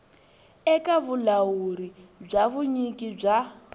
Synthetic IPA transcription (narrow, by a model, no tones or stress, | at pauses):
ɛkaβulawuɾib͡ʐaβuɲikib͡ʐa